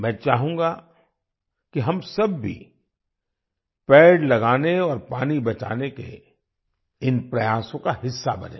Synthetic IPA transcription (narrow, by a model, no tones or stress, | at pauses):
mɛ̃ːt͡ʃaːɦũːŋɡa | kiɦɐmsɐbːʱḭ | pɛːɽlɐɡaːneɔːɾpaːnibɐt͡ʃa̰ːnekḛ | ɪnpɾɐjaːsõkaɦɪsːa̰bɐnḛ̃ː